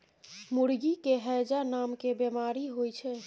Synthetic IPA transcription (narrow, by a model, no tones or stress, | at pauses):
muɽɡikeɦɛjd͡ʒanamkebemaɾiɦojt͡ʃʰɛ